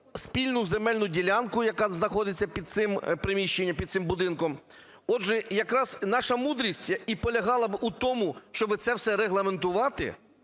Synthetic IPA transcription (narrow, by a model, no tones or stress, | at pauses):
spʲilʲnʊzemɛlʲnʊdʲilʲankʊjɐkɑznɐxɔd̪ɪt͡sʲːɐpʲid̪̚tsɪmpɾɪmʲiʃt͡ʃenʲːɐmpʲid̪sɪmbʊd̪ɪnkɔm | ɔdʒɛjɐkɾɑz̥nɑʃɐmud̪ɾʲisʲtʲipɔlʲɐɦɑlˠɐbʔut̪ɔmʊʃt͡ʃɔbɪt̪sɛwsɛɾeɦlˠɐment̪ʊʋɑt̪ɪ̰